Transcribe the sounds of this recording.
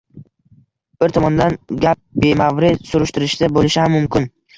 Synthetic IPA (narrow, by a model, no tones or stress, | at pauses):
b̥ɪɾt̪ʰɒmɒnd̪anɡʲap̚be̞mavɾɪsʊɾɪʃt̪ɪɾɪʃd̪abolɪʃɪhamːʊmkʲɪn